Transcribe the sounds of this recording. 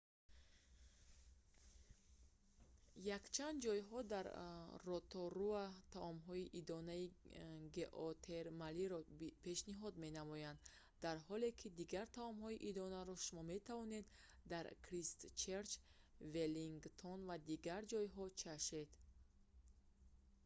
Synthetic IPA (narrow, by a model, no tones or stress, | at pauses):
jakt͡ʃʰand̪d͡ʒɔjɦɔd̪aɾrɔt̪ʰɔɾuat̪ʰaʔɔmɦɔiʔid̪ɔnaiɡeʔɔt̪ʰeɾmaliɾɔpʰe̞ʃniɦɔd̪me̞namɔjand̪ | d̪aɾɦɔle̞kʰid̪iɡaɾt̪ʰaɔmhɔiʔid̪ɔnaɾɔʃumɔme̞t̪ʰavɔne̞d̪ː | aɾkʰɾist̪t͡ʃʰeɾt͡ʃ | veliŋɡt̪ʰɔnvad̪iɡaɾd͡ʒɔjɦɔt͡ʃʰaʃed̪̥